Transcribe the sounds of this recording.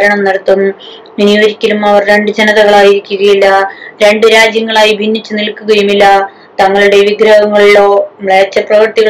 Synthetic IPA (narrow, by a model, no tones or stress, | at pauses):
ɾɐɳɐmnɐɽɐt̪ːum | inijooɾikʲːɐlumɐʋɐrɾe̞ɳɖɨd͡ʑenɐðɐɣɐɭaːjiɾikʲːuɣɐjilːɐɾe̞ɳɖɨɾaːd͡ʑjɐŋːɐɭaːjibʱinːit͡ɕːunilkuɣɐjumilːɐ | t̪ɐŋːɐɭuɽe̞ʋiɡɾɐɦɐŋːɐɭilo̞ːmɭeːt͡ɕːɐprɐʋɐrt̪iɣɐ